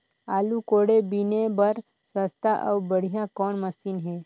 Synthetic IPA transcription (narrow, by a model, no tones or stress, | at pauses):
aːlukoːɽebinebɐɾ | səst̪aʔə̰ʋbəɽ̤ijãkɔːnməsiːnɦɛ̃ː